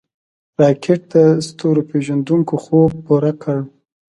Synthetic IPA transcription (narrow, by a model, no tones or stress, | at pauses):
ɾɑkʰeʈ̚d̪əst̪oɾopeʒand̪uŋkoxob̚puɾakʰəɽ